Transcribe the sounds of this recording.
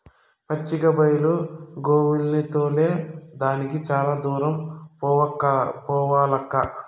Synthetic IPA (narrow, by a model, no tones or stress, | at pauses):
pɐt͡ʃːiɡɐbɐjluɡoːʋilnit̪oːle̞ːd̪aːnikit͡ʃaːlaːd̪uːɾɐmpkːɐpɔːʋaːlɐkːɐ